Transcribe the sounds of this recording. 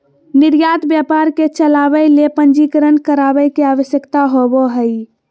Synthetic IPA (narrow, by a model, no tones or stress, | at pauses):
niɾjat̪bjapaɾket͡ʃəlabəjlepənd͡ʒikəɾənkəɾabəjkeaʋəsjəkt̪aɦobɔɦəj